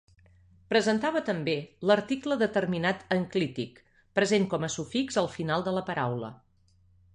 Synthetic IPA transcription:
pɾəzənt̪aβət̪əmbeləɾt̪ikləðət̪ərminat̪əŋklit̪ik | pɾəzenŋkɔməsufikzəlˠfinalˠd̪ələpəɾawlə̰

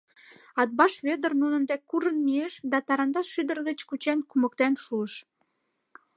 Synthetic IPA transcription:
ɑt̪̚bɑʃβød̪ərnunənd̪ekuɾənmieʃd̪ɑt̪ɑɾɑnd̪ɑʃyd̪ərɣət͡ɕkut͡ɕenkumək̚t̪enʃuəʃ

